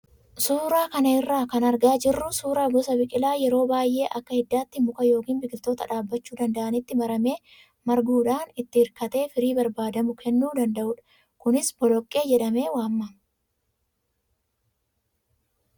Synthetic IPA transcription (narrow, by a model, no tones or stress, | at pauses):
suːɾaːkɐnɐɪrːaːkɐnɐɾɡaːd͡ʒɪrːʊsuːɾaːɡɔsɐbɪkʼɪlaːjɛɾo̞ːbaːjʔe̞ːʔɐkːɐhɪd̪ːaːt̪ːɪmʊkɐjo̞ːkiːnbɪkʼɪlt̪o̞ːt̪ɐᶑaːbːɐt͡ʃːuːd̪ɐnd̪ɐʔɐnɪt̪ːɪmɐɾɐme̞ː | mɐɾɡuːᶑaːnɪt̪ːɪɪɾkɐt̪e̞ːfɪɾiːbɐɾbaːd̪ɐmʊkʰɛnːuːd̪ɐnd̪ɐʔʊᶑɐ̥ | kʊnɪsbɔlɔkʼːe̞ːd͡ʒɛᶑɐme̞ːwaːmːɐ